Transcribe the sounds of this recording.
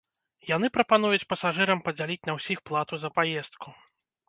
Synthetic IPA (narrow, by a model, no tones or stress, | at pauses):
jan̪ɨpɾɐpan̪ujut͡sʲpɐsaʐɨɾɐmpɐd͡zʲalʲit͡sʲnɐwsʲixplˠat̪uzɐpajɛst̪̚ku